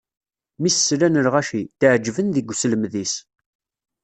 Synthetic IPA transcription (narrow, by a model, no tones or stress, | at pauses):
misslænəɾʁæʃit̪əʕd͡ʒːvənðiɡʷsləmðis